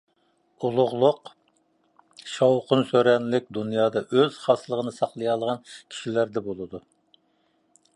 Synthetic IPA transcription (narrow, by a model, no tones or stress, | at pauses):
ulˠʊʁlˠʊq | ʃɑwqʊnsøɾɛnlɪk̚ʲd̪unjɑːd̪ɑʔøz̥χɑsɨlˠəʁənɨsɑχlˠɨjɑlˠʁɑnkʲʰi̥ʃilæɾd̪ɛbolˠɨd̪u